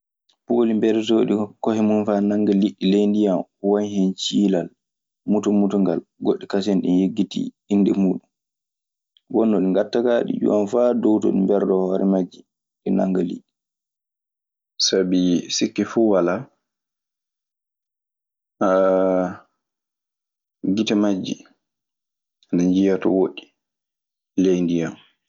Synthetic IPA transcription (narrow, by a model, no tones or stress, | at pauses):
polimbɛɾsoɗikɔhɛmunfanaŋɡaliɗːilejndijamwaɲhɛnt͡ʃiːlal | mutɔmutɔŋɡa̰lɡoɗːikas̬ɛnɗinjeɡːitḭ | inːdɛmuːɗum | wɔnːɔɗiŋɡatːakaɗḭd͡ʒṵwanfadɔwto̰ɗimbɛɾdɔhɔɾɛmad͡ʒi | ɗɛnaŋɡalḭ | sabisikːɛfuwala | a | ɡitɛmad͡ʒːḭ | anaɲd͡ʒijatɔwoɗi̥ | lejndijam